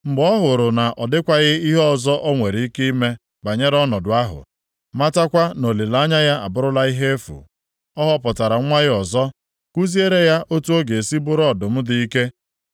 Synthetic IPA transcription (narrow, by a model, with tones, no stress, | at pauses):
ŋ͡m̩˨ɡ͡bɔ˦ɦʊ˨ɾʊ˨na˨ʔɔ˨dɪ˦kʷa˦ɣɪ˦i˦ɦɔ˨zɔ˦ʔɔ˦ŋʷe˨ɾi˨˦i˦ki˦i˦me˦ | ba˨ɲe˦ɾɔ˦nɔ˨dʊ˨a˦ɦʊ̰˨ | ma˦ta˦kʷa˦no˨le˨la˦ɲa˦ja˦a̰˨bʊ˦ɾʊ˦la˦i˦ɦe˦fṵ˨ | ɔ˦ɦɔ˦pɔ˨ta˨ɾa˨˦ŋʷa˦ɣɪ˦ɔ˨zɔ˦ | ku˦zi˦e˦ɾe˦ja˦ʔo˦tu˦o˦ɡe˨si˦bʊ˦ɾɔ˦dʊ˨m̩˦dɪ˦i˦ke˦